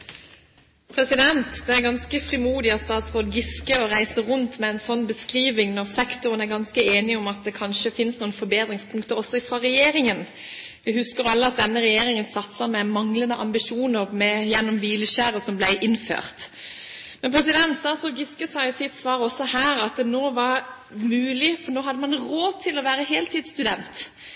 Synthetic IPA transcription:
pʰʁɛsɪd̪ɛnt̪d̪ɛæɾɡɑnskəfɾɪmuːd̪ɪɑt̪st̪ɑːt̪sʁoːd̪ɡɪskəɔʁæɪsəʁʊnt̪mɛɛɪnsɔnːbəskʁiːʋɪŋnɔʁsɛkt̪ʊʁənæɾɡɑnskəeːnɪɔmɑt̪̚d̪ɛkʰɑnʃəfɪnsnuːənfɔbeːd̪ɾɪŋspʰʊŋkt̪əɾɔsːɔɪfʁɑːʁɛjeːɾɪŋən | ʋɪhʉskəɾjʊɑlːəɑt̪̚d̪ɛnːəʁɛjeːɾɪŋənsɑt̪səmɛmɑŋlənəʔɑmbɪʃuːnəɾmɛjɛnːɔmʋiːləʃæːɾəsɔmblæɪʔɪnfø̰ːʁt̪ | mɛnpʰɾɛsɪd̪ɛnt̪sɑːsɔɡɪskəsɑːsɪt̪sʋɑːɾɔsɔhæːɾɑt̪noːʋɑɾ | mʉːlɪfɔɾnoːɦɑd̪ːəmɑnʁoːt̪ʰɪlɔʋæːɾəɦeːlt̪ʰiːd̪st̪ʉd̪ɛnt̪

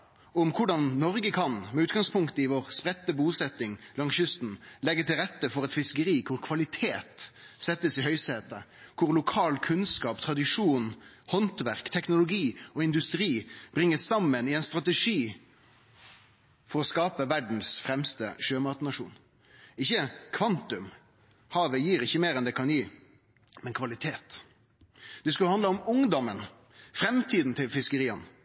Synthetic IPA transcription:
ʊmkʰʊɖɑnːɔʁɡəkʰɑnmɛʉːt̪ɡɑŋspʰʊŋkt̪əɪʋɔːʁspɾɛt̪ːəbuːsɛt̪ɪŋlɑŋsjʉst̪n̩lɛɡət̪ɪlɾɛt̪ːəfɔʁɛt̪fɪskəɾiːkʰʊʁkʰʋɑlɪt̪ʰeːt̪sɛt̪ːəsɪɦœʏseːt̪ə̰ | kʰʊʁlʊkʰɑːlkʰʉnskɑːpt̪ʰʁɑd̪ɪʂuːnhɔnt̪ʋæʁkt̪ʰɛknʊlʊɡiːɔɪnd̪ʉst̪ʁiːb̥ɾɪŋːəssɑmːənɪɛnst̪ʁɑt̪ɛʂiː | fɔɾɔskɑːpəʋæɖn̩sfɾɛmst̪ə̰ʃøːmɑːt̪ənɑʂṵːn | ɪçːəkʰʋɑnt̪ʉm | hɑːʋəjiːɾɪçːəmeːɾɛnd̪ɛkʰɑnjiː | mɛnkʰʋɑlɪt̪ʰeːt̪ | d̪̥ɛskʉlhɑnd̪ləʊmʊŋd̪ɔmən | fɾɛmt̪ʰiːd̪n̩t̪ʰɪlfɪskəɾiːən

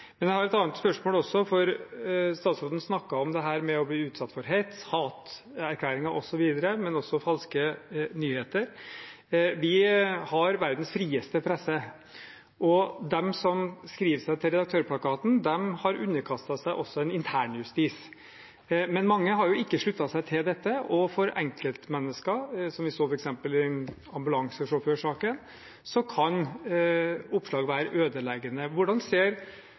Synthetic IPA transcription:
mɛnjæɪhɑɾɛt̪ɑːnət̪spœʂmoːlɔsːɔfɔɾst̪ɑːt̪sɾoːd̪n̩snɑkːɑɔmd̪ɛɦæːɾmɛɔbliːʉːt̪sɑt̪ːfɔɾɦeɪt̪hɑːt̪ | æɾkʰlæːɾɪŋɑɾʔɔsɔʋiːd̪əɾəmɛnɔsɔfɑlskənyːheːt̪əɾ | ʋɪhɑɾʋæɾd̪n̩sfɾiːəst̪əpʰɾɛsːə | ʔɔd̪ɛmsɔmskɾiːʋsæɪt̪ʰɪlɾɛd̪ɑk̚t̪ʰøːɾpʰlɑkɑːt̪n̩d̪ɛmhɑɾʉnːəɾkʰɑst̪ɑsæɪʔɔsːɔɛnɪnt̪ʰæːɳjʉst̪iːs | mɛnmɑŋːəɦɑɾjʊɪkːəʂɭʉt̪ːɑsæɪt̪ʰɪld̪ɛt̪ːəʔɔfɔɾʔɛ̰ŋkəlt̪mɛnːəskəsɔmʋɪsoːfɔɾɛksɛmpəlɪɑmbʉlɑŋsəʂɔfʉːʂɑːkən | sɔkʰɑn | ʊpːʂlɑːɡʋæːɾəʔøːd̪əlɛɡənəʋʊɖɑnseːɾ

